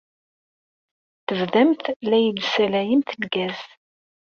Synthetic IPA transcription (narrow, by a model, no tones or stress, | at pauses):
θəvðæmθlæjəlsælæjəmθəlɡæz̥